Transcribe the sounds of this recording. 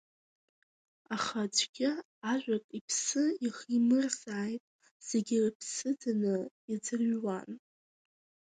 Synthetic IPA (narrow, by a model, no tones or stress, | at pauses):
aχad͡ʒʷɡʲɪ | aʒᶣʷakʼipʰsɨiχimɨrzaːjtʼ | z̥e̞ɡʲɪpʰsɨdanɨ | id͡zɨrɥwan